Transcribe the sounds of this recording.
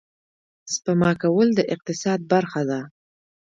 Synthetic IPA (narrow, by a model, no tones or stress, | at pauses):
spəmɑkawəld̪əʔɪq̚t̪ɪsɑd̪̚baɾxad̪a